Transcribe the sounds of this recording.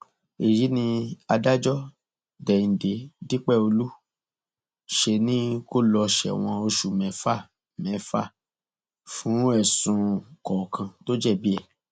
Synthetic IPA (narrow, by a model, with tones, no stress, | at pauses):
e˨ji˨˦nĩ˧a˧da˦d͡ʒɔ˦ | dɛ˨ĩ˨de˨˦di˦k͡pɛ˦˨o˧lu˦ | ʃe˧nĩ˦ko˦lɔ˧ʃɛ̰˨w̃ɔ̃˧o˧ʃu˨mɛ̃˨˦fa˦˨ | mɛ̃˨˦fa̰˦˨ | fũ˨˦ɛ˦˨sũ˨˧kɔ˨kʰã˧to˦d͡ʒɛ˦˨bi˦ɛ˦˨